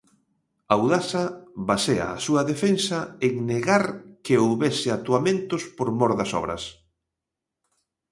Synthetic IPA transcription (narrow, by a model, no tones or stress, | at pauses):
awðasɐβasea̰asuɐðefensɐeŋneɣaɾkeowβesɪat̪uamẽnt̪ʊspoɾmɔɾðɐsɔ̰βɾɐ̰s